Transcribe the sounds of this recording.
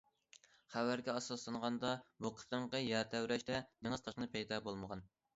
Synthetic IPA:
χæwæɾɡʲɛɑsɑslˠɑɴʁɑnd̪ɑbuqʰə̥t̪əɴqɑjæɾt̪ʰæwɾɛʃt̪ɛneŋɨz̥t̪ʰɑʃqnɨpʰɛjd̪ɑːbolˠməʁɑn

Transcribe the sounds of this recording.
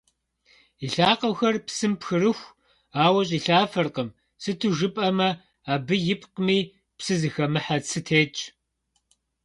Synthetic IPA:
iɬaːqɐwxɐrpsɨmpxɨrɨxʷ | aːwɐɕʼiːɬaːfɐrqəm | sɨtʰɨʒɨpʼɐmɐ | aːbɨjɪpʼqmiː | psɨzɨxɐmɨħat͡sʰɨtʰeːt͡ʃʼ

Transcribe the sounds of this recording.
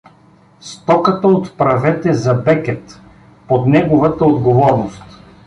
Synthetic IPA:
st̪ɔkət̪əot̪pɾɐvɛt̪ɛzɐbɛkɛt̪ | pod̪nɛɡovɐt̪əod̪ɡovɔɾnost̪

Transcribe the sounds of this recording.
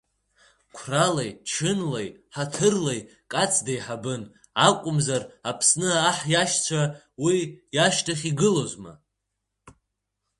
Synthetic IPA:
kʷʰralajt͡ʃʰɨnlejħatʰɨrlej | kʼat͡sʰdajħabɨn | akʷʼʊmzarapʰsnɨaːħjaʃt͡ɕʷʰa | wijaʃtʰaχʲiɡɨlozma̰

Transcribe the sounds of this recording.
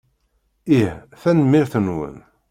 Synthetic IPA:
ihθænəmːiɾθənwə̰n

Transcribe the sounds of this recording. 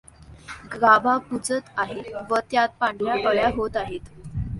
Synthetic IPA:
ɡɾabapud͡zət̪aɦeʋət̪jat̪̚pãɳɖujakəɭjaɦot̪aɦet̪

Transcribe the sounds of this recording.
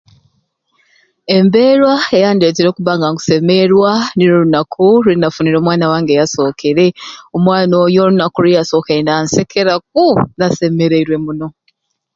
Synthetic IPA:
e̞mbe̞ɾwaejaːndeteɾo̞kuβaŋɡaŋɡu̥se̞me̞ɾwaniɾoɾunakʰuɾinafuniɾo̞ːmwaːnawaːŋɡejaso̞kʰeɾe̞omwaːnojoɾunakuɾijaso̞ːkeendansekʰeɾak̚unase̞me̞ɾe̞iɾwe̞muno̞

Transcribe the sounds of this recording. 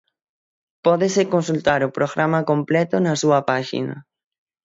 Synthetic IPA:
pɔðesekõnsult̪aɾopɾoɣɾamakomplɛt̪onasuapaʃḭna̰

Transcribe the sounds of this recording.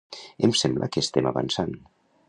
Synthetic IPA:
emsɛmblʔə̰kəːst̪ɛmaβa̰nsan

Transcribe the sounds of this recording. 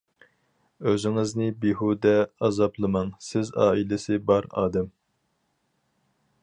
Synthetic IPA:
øzɪŋɪznɪbiɦud̪ɛɑzɑplˠɨmɑŋsɪzɑ̰ːilɪsɪbɑɾɑ̰ːd̪ɛm

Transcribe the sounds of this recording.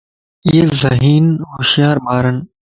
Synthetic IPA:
ɪeːzəɦiːnɦoːʃjaːɾbaːɾən

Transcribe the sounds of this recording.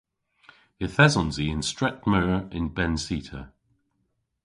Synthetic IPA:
ɪθɛzɔ̃nziɪ̃nstɹ̥ɛkməɹɪ̃nbɛ̃nsiˑtʰə

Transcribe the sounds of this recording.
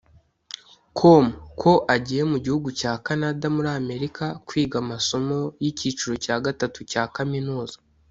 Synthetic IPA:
kʰomukʰo̞ʔaɟiːje̞muɟihuɡucaːkanadamuɾame̞ɾikakwiːɡamaso̞mo̞jiciːt͡ʃuɾo̞caːɡatatucaːkaminuːzḁ

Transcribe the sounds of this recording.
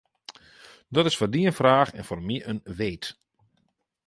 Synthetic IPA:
dɔtɪsfɔrdiənfraːxɛ̰nfɔrmiʔənʋeːt

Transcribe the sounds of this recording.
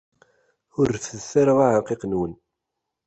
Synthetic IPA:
ʊɾθəsaɾəʁaʕəqiqnwən

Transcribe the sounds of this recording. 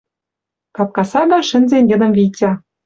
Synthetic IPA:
kɑp̚kɑsɑɣɑʃɘ̆nzenʲjə̆d̪ə̆mvʲitʲɑ

